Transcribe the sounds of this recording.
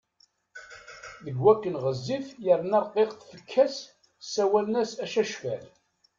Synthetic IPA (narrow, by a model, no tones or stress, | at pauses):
ðəɡwækːənʁəzːifjəɾnɑɾˤqeʁθfəkʰːæs | sæwælnæsæʃæʃfæl